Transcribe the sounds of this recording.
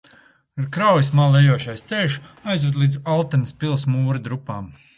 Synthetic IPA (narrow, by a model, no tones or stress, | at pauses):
iɾkɾawjismaːlˠɛjuɔʃajst̪seːʃajzvɛd̪lˠiːd̪zalˠt̪ɛnəspʲilˠsmuːɾɐd̪ɾupːaːm